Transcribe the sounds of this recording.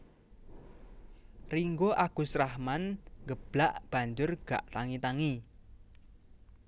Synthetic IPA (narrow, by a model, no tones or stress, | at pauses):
riŋɡoʔaɡ̥ṳsɾahmanŋɡəb̥laʔb̥a̤ɲd͡ʒʊrɡ̥a̰ʔt̪aŋit̪aŋi